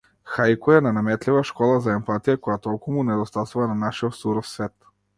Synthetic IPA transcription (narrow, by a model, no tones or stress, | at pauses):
xajkɔɛnanamɛt̪livaʃkɔlˠazaɛmpat̪ijakɔjat̪ɔlˠkumunɛd̪ɔst̪asuvananaʃiɔt̪suɾɔfsvɛt̪